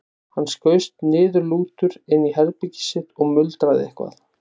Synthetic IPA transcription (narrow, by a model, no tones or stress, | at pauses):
hanːskœːɥst̪nɪːðʏɾluːt̪ʏɾɪnːiɦɛɾpɪcɪ̥sɪt̪ɔɣmʏlt̪ɾaðɪ̰ɛhkva̰θ